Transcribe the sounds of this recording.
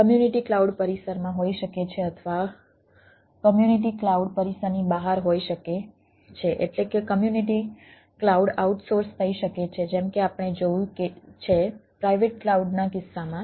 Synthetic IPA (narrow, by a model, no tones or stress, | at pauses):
kəmjuniʈiklauɖpəɾisəɾmãɦoiʃəket͡ʃʰeət̪ʰʋa | kəmjuniʈ̬iklauɖpəɾisəɾnibaɦaɾɦoiʃəke | t͡ʃʰeʔḛʈlekekəmjuniʈi | klauɖauʈsoɾst̪ʰəiʃəket͡ʃʰed͡ʒɛmkeapəɳ̃ed͡ʒouket͡ʃʰepɾaiʋeʈ̚klauɖnakɪsːamã